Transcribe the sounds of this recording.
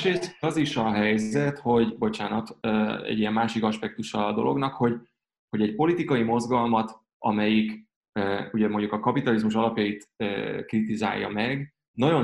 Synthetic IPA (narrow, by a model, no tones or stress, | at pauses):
ʃɛɒziʃɒɦɛjzɛt̪ho̞ɟbo̞t͡ʃaːnɒt̪ːɛ̰ɟiɛmːaːʃikɒʃpɛk̚t̪uʃɒd̪o̞lo̞̰ɡnɒkho̞ɟ | ho̞ɟɛcpo̞lit̪ikɒjimo̞zɡɒlmɒt̪ | ɒ̰mɛjik | øːuɟɛmo̞ɲɟukɒkɒpit̪ɒlizmuʃ̬ɒlɒpjɒjit̪ø̰ːkrit̪iza̰ːjːɒ̰mɛɡ | nɒjo̞